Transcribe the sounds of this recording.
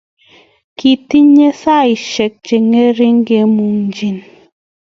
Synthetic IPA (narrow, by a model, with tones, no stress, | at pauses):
ki˨ti˦ɲe˦sa˦˨i˨ʃe˨k̚t͡ʃe˨ŋe˦ɾi˦ŋ̩˦ɡe˨˦mu˨ŋn̩˨d͡ʒi˨n